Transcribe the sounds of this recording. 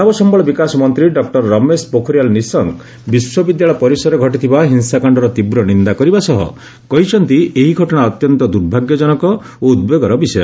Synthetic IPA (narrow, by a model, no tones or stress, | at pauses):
abɔsɔmbɔɭɔbikasɔmɔnt̪ɾiɖɔk̚ʈɔɾːɔmespokʰɔɾjalnisɔŋ | biswɔbid̪jaɭɔpɔɾisɔɾeɡʱɔʈit̪ʰibaɦinsakaɳɖɔɾɔt̪ibɾɔnind̪akɔɾibasɔɦɔ̰ | kɔɦit͡ʃʰɔnt̪ieɦiɡʱɔʈɔɽ̃aɔt̪jɔnt̪ɔd̪uɾbʱaɡjɔd͡ʒɔnɔkɔ | oud̪beɡɔɾɔbisɔjɔ̰